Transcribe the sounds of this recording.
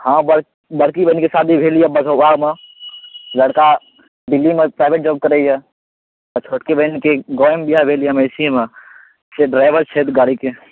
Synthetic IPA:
hãbəɽ | bəɽkibənkesaːd̪ʱibʱelijəbəsoaɡme | ləɽka | ɖɪlːimepɾaːɪbʱeʈ̚d͡ʒɔːb̚kəɾəijə | ɔt͡ʃʰoʈkebənkeɡɔjmbijabʱelijaməɪsime | seɖɾaɪbəɾt͡ʃʰet̪ɡaːɽike

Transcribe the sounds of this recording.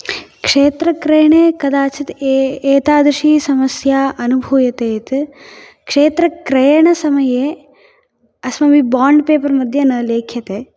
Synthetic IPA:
kʂeːt̪ɾɐkɾɐjɐɳeːkɐd̪aːt͡ʃʰit̪eːt̪aːd̪ɾɐʃiːsɐmɐsjaːʔɐnubʱuːjɐt̪eːt̪ | kʂeːt̪ɾɐkɾɐjɐɳɐsɐmɐjeː | ɐsmɐbibaːɳɖpeːpɐɾmɐd̪ʱjɐnɐːleːkʰjɐt̪eː

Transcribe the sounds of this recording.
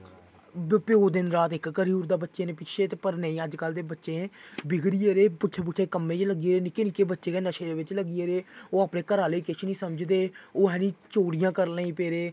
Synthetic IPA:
bpjoːd̪ɪnɾaːt̪ɪkkəɾiuːɾd̪aːbətːʃeːnẽːpɪʃʰeːt̪eːpəɾnəĩːəd͡ʒkəld̪eːbətːʃẽːbɪɡɾiːeːɾeːpʊtʰːeːp̬ʊt̪ʰeːkəmẽːt͡ʃləɡieːɾeːnɪkːeːnɪkːeːbətːʃeːkeːnəʃeːd̪eːʋɪt͡ʃləɡieːɾeːoːaːpnẽːkəɾaːleːkɪʃnĩːsəmd͡ʒd̪eːoːɦɛːnĩːt͡ʃoːɽijãːkəɾlãːĩːpeːɾeː

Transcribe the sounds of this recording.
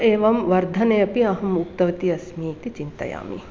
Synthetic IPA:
eːʋɐmʋɐɾd̪ʱɐnejɐpiɐɦɐmup̚t̪ɐʋɐt̪iɐsmiːt̪it͡ʃint̪ɐ̰ja̰ːmḭ

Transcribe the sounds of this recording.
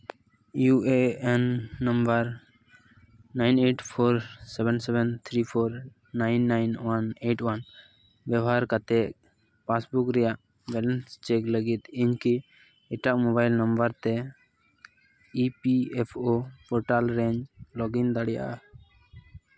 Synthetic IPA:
jueɛnːəmbəɾ | najneʈpʰoɾsɛbɛnsɛbɛnt̪ʰɾipʰoɾ | najnːajnwaneʈwan | bjɛbɦaɾkat̪ɛʔ | pasbukɾɛjaʔ | bɛlɛnst͡ʃekləɡit̪iɲki | ɛʈaʔmɔbajlnəmbəɾt̪ɛ | ipiɛpʰopɔɾʈalɾɛ̃ɲd͡ʒlɔɡiŋd̪aɽɛja̰ʔa

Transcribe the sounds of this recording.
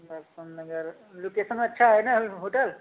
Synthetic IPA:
d̪əɾsənnəɡəɾ | lokesənɐtːʃʰaɦenaɦoʈəl

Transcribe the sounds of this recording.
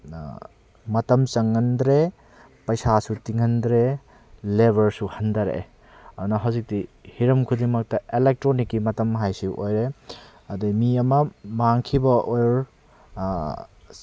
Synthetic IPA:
mɐtɐmsɐŋːɐndɾe | pɐjsasutiŋɐndɾe | lebʱɐɾsuhɐndɐɾḛ | ɐdunɐɦɐwzik̚dihiɾɐmkʰudiŋmɐk̚tɐelek̚tɾonikːimɐtɐmɦajsiʔojɾe | ɐdumiɐmɐmaŋkʰibɐʔojɾ

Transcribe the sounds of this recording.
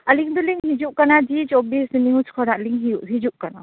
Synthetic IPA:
aliŋd̪uliŋhid͡ʒuʔ̚kanad͡ʒit͡ʃɔbisiniut͡ʃkʰɔɾaliŋɦiuʔɦid͡ʒuʔ̚kana̰

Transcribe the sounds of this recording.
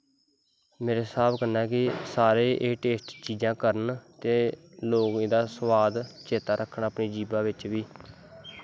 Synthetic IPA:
meːɾeːsaːbkənaɛːkɪsaːɾeːʔeːʈeːsʈt͡ʃiːd͡ʒãːkəɾənt̪eː | loːɡẽːd̪aːsəʋaːd̪t͡ʃʰeːt̪aːɾəkʰːəɳəpɳiːd͡ʒiːbãːʋɪt͡ʃʋiː

